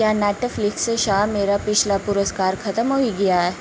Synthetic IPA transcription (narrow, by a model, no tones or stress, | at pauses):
janæʈəfliksəɕameːɾapit͡ʃʰlapuɾəskaːɾkʰət̪əmɦoiɡijaɦɛ